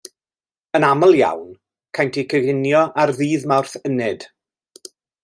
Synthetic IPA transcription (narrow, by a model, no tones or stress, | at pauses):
ənaməlˠja̰wn | kʰajntʰikʰəɣɪnjɔʔarðiːðmawrθənɪd̥